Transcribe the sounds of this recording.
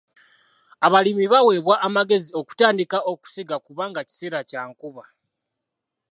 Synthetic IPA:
aβalimiβawe̞ːβwaʔːmaɡe̞zio̞ku̥taːndikaʔo̞ku̥siɡakuβaːŋɡaci̥se̞ːɾacaːŋkuβa

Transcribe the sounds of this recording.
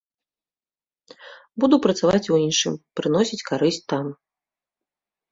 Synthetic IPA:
bud̪upɾɐt̪savat͡sʲuinʂɨ̰mpɾɨn̪ɔsʲit͡sʲkaɾɨsʲt̪am

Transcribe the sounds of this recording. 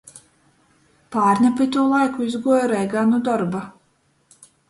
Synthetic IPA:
paːɾnʲɛpit̪uɔlˠajkuizɡuɔjɾɛjɡanud̪ɔɾba

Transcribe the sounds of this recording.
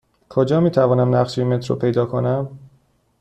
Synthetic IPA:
kʰod͡ʒɒːmiːt̪ʰævɒːnæmnæʁʃeemet̪ʰɾo̰pʰe̞jd̪ɒːkʰonæm

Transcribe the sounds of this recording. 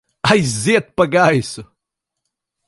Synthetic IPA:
ajzet̪̚pɐɡaisʊ

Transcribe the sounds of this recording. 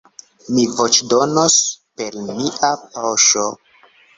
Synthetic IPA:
mivo̞t͡ʃdonospe̞ɾmiʔapawʃo

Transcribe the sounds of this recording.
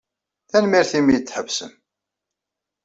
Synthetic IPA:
θænmiɾθimjət͡sːħəvsə̰m

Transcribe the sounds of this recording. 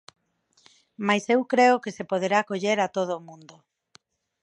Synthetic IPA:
majsewkɾeʊkesepoð̞eɾakoʎeɾat̪oð̞ʊːmũnd̪o

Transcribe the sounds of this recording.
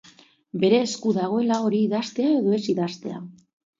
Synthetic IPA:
be̞ɾe̞ːskuðaɣ̞o̞e̞lao̞ɾiːðast̪e̞ae̞ðo̞e̞siðast̪e̞a̰

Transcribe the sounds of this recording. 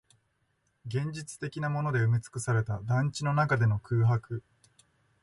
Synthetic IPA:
ɡẽ̞ɲ̟d͡ʑit͡sɨ̥t̪e̞kʲinamo̞no̞d̪e̞ɯ̟mʲit͡sɨ̥kɯ̟saɾe̞t̪ad̪ãɲt͡ɕino̞nakad̪e̞no̞kɯ̟ːɦakɯ̟

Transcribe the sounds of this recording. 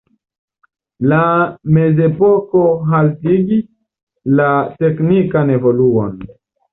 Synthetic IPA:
lame̞ze̞po̞ko̞ɦaltiɡi | late̞knikane̞vo̞luon

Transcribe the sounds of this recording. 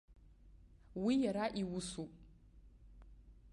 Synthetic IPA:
wijaɾaʔiwusu

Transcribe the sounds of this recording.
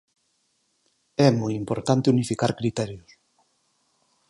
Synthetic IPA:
ɛmojimpoɾt̪ant̪eunifikaɾkɾit̪ɛɾjʊs

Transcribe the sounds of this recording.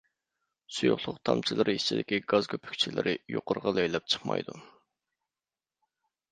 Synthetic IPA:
sujuχlˠʊqt̪ʰɑ̰mt͡ʃʰilˠɨɾʔɨiʃt͡ʃʰid̪ɪkʲiɡɑz̥kʰʲøpʰy̥k̚ʲt͡ʃʰilɪ̰ɾʔɪjo̰qʊɾʁɑlˠøjlɛp̚t͡ʃʰə̥χmɑ̰jd̪u

